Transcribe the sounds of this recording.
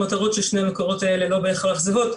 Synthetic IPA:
mataʁo̞tʃelʃne̞amekoʁo̞tae̞le̞lo̞beeχalaχzevo̞t̪

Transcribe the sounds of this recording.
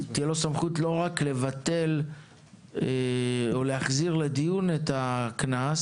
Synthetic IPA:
t̪ijelo̞samχutlo̞ʁakle̞vate̞l | eoleaχziʁled̪ijunetaknas

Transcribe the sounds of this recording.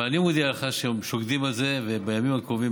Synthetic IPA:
animod̪ialeχaʃemʃoɡd̪imalze̞vebajamimakʁovi

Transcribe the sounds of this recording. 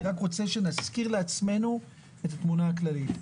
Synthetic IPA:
ʁakʁo̞t͡se̞ʃe̞naskiʁleat͡sme̞nu | etatmunaːklalit

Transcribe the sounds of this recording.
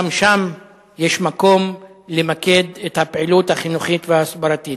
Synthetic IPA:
amʃam | jeʃmako̞mlemaked̪et̪hapeʕiluthaχinuχit̪veaːsbaɾatit

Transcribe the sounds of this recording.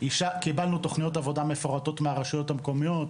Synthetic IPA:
iʃakibalnut̪o̞χnijo̞tavo̞damefo̞ʁato̞t̪meaʁaʃujo̞tamko̞mijo̞t

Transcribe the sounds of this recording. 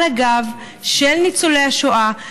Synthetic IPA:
aɡav | ʃelnit͡solejhaʃoʔa

